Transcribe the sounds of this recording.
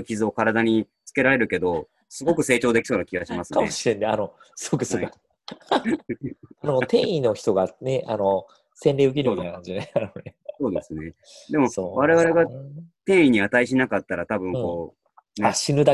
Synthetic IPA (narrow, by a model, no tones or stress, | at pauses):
kʲizɨo̞kaɾad̪aɲ̟i | t͡sɨ̥ke̞ɾaɾe̞ɾɯ̟ke̞d̪o̞ | sɨɡo̞kɯ̟se̞ːt͡ɕo̞ːd̪e̞kʲi̥so̞ːnakʲiɡaɕimasɨkameoɕiɾe̞nːeano | sɨɡokɯso | anot̪ẽɰ̃ino̞çi̥t̪o̞ɡaneano | sẽ̞nɾʲeɯ̟k̬ʲiɾɯmit̪ajnakãɲd͡ʑiaanoneso̞ːd̪esɨne̞ | d̪e̞mo̞oβaɾe̞βaɾe̞ɡat̪ẽ̞ɰ̃iɲ̟iat̪aiɕ̬inakat̪ːaɾat̪abɯ̟̃ŋkko̞ː | neaɕinɯd̪a